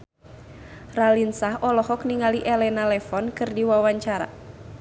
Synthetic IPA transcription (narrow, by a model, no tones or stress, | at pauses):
ralinsaɦɔlɔɦɔk̚niŋaliʔɛlɛnalɛfɔnkɨrdiwawaɲt͡ʃaɾa̰